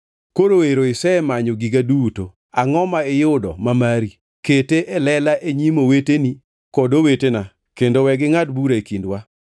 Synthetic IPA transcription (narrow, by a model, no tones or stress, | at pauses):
koɾoeɾoɪsɛɛmaɲoɡiɡaduto | aŋɔmaɪjʊdɔ̰mamaɾi | keteʔɛlɛlaʔeɲimoweteni | kɔdowetena | kendowɛɡɪŋatbuɾaekindwa